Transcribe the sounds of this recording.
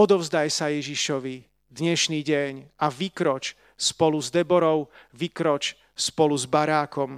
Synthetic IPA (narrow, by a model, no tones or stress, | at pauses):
ɔd̪ɔʊzd̪ajsajɛʒiʃɔʋi | d̪ɲɛʃniːɟɛɲaʋikɾɔt͡ʃ | spɔluzd̪ɛbɔɾɔʊʋikɾɔt͡ʃ | spɔluzbaɾaːkɔm